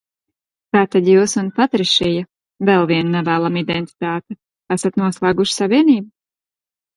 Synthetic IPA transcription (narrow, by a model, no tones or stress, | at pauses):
kaːt̪ad̪juːsunpat̪ɾiʃɛja | vɛlˠviɛnːɛvæːlˠamid̪ɛnt̪i̥t̪aːt̪ɛ | æsat̪nuɔslˠæːɡuʃsavʲiɛniːbu